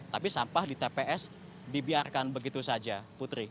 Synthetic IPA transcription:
t̪apisampahdit̪epeʔɛs | dibiarkanbəɡit̪usad͡ʒaput̪ɾi

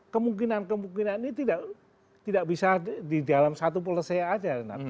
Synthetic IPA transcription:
kəmuŋkinankəmuŋkinanit̪idaʔ | t̪idaʔbisadidalamsat̪̬up̬ələseaːd͡ʒana̰

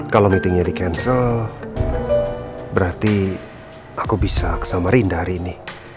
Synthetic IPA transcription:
kalomit̪ɪŋɲadikɛnsəl | bəɾart̪i | akubisakə̥samaɾindaɦɾiːni

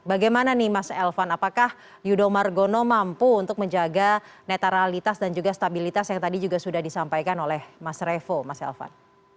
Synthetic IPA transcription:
baɡajmananɪhmasɛlfanapakah | judomarɡonomampuːnt̪ʊk̚məɲd͡ʒaɡa | net̪aɾalit̪asdand͡ʒuɡast̪abilit̪asjaŋt̪adid͡ʒuɡasudahdisampajkanolɛhmasrefomasɛ̰lfa̰n

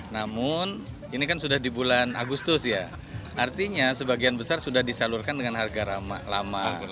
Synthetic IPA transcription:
namʊn | inikansudahdibulana̰ɡust̪ʊsja | ʔart̪iɲasəbaɡianbəsarsudahdisalʊrkandəŋanɦarɡaɾama̰lama

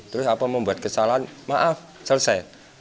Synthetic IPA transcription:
t̪əɾʊsapəməmbuat̪̚kəsalaanmaʔaf | sərsɛl

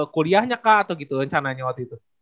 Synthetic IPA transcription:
koliahɲakaʔːt̪awɡit̪uɾəɲt͡ʃanaɲawak̚t̪uit̪u

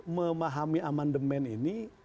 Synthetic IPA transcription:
məmaɦamiamandəmɛnini

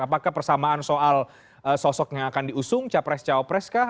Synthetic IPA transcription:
apakahpərsamaansoʔal | əsɔsɔk̚ɲaakandiusʊŋt͡ʃapɾɛst͡ʃapɾɛska

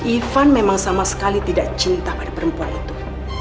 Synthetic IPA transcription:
ʔifanmemaŋsamasə̥kalit̪idaʔt͡ʃinit̪ahpadapəɾəmpuanit̪u

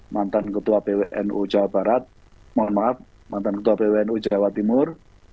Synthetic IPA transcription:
mant̪ankət̪uapeweʔɛ̰nṵ̥d͡ʒ̥a̤wab̥a̤ɾat̪̚ | muanmaaf̚ | mant̪ankət̪uapeweɛnud̥d͡ʒʒ̥awat̪imʊr

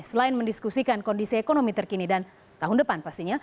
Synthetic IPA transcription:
səlaɪnməndiskusikankondisiekonomit̪ərkinidan | t̪aɦʊndəpanpast̪iɲa

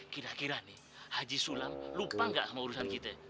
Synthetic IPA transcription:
kiɾakiɾani | had͡ʒisulamlupaŋɡa̰ʔsamauɾusankit̪ɛ

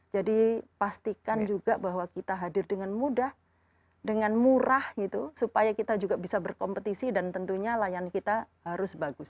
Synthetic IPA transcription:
d͡ʒadipast̪ikand͡ʒuɡaʔbaɦwakit̪aɦadɪrdəŋanmudah | dəŋanmuɾahɡit̪usupajakit̪ad͡ʒuɡabisabərkɔmpət̪isidant̪ənt̪uɲalajankit̪ahaɾʊsbaɡʊs

